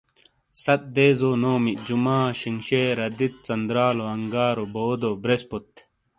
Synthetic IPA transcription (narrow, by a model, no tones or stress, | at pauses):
sɐt̪̚d̪eːzoːnoːmid͡ʑumaːɕiŋɕeːɾɐd̪it̪̚t͡sɐnd̪ɾaːloɐŋɡaːɾoboːd̪obɾespot̪